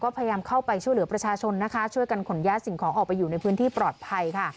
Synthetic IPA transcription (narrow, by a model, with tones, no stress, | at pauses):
kɔː˥˩pʰa˧ja˧jaː˧mkʰa˥˩wpa˧jt͡ɕʰu˥˩jlɯ˩˦ɐpɾa˧t͡ɕʰaː˧t͡ɕʰo˧nːa˦˥kʰa˦˥t͡ɕʰu˥˩jka˧nkʰo˩˦njaː˦˥si˨˩ŋkʰɔː˩˦ŋʔɔː˨˩k̚pa˧jːuː˨˩na˧jpʰɯː˦˥nt̪ʰiː˥pɾɔː˨˩t̪̚pʰa˧jkʰa˥˩